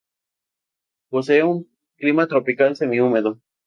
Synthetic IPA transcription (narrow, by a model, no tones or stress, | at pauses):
poseeuŋ | klimat̪ɾopikalse̞miume̞ðo